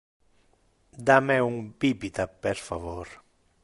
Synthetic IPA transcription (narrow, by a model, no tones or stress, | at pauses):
d̪amɛuŋbipit̪apeɾfavoɾ